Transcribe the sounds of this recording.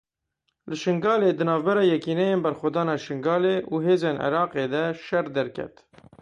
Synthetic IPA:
lɨʃɪŋɡɑːleːd̪ɨnɑːvbɛɾɑːjɛkiːnɛjeːnbɛɾxʷɛd̪ɑːnɑːʃɪŋɡɑːleːʔuːɦeːzeːnɪ̰ɾɑːqeːd̪ɛʃɛrd̪ɛɾkʲʰɛ̰t̪

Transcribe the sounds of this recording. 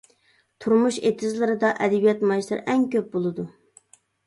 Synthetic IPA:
t̪ʰuɾmuʃet̪ʰɪzlˠɨɾɨd̪ɑʔɛd̪ɪbijɛt̪mɑjʃlˠɨɾʔɛŋkʲøp̚bolˠɨd̪u

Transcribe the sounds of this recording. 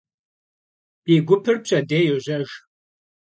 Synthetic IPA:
iːɡʷʊpʰɨrpɕʰʼɐdeːjoʑɐʒ

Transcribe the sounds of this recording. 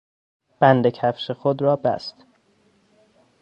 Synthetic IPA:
b̥ænd̪ecʰæfʃexod̪ɾɒːbæ̰st̪

